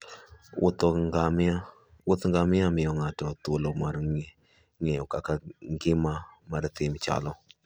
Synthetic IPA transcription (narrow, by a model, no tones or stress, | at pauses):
ʊt̪ɔŋɡamɪa | wʊt̪ŋɡamɪamɪjɔŋatɔt̪olomaɾ | ŋɛjɔkakaɡɪmamaɾt̪ɪmt͡ʃa̰lɔ